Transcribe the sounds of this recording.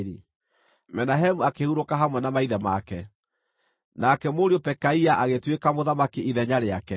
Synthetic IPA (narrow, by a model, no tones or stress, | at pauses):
ɾi | mɛnaɦɛmuakehuɾokaɦamwɛnamaiðɛmakɛ | nakɛmoɾiopɛkaiaʔaɣetwekamoðamakiiðɛɲaɾeakɛ